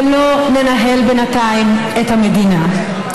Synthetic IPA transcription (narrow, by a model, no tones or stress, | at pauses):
mlolenaɦɛlbenatajmɛt̪amed̪ina